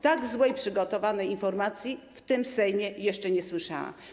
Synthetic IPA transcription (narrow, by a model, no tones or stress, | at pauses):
t̪aɡzwɛjpʂɘɡɔt̪ɔvanɛjinfɔɾmat̪sʲjift̪ɘmsɛjmʲjɛjɛʂt͡ʂɛɲɛswɘʂa̰wa̰